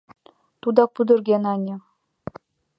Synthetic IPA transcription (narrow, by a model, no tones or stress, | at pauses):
t̪ud̪ɑpud̪ɤ̆rɡʲenɑnʲɤ̆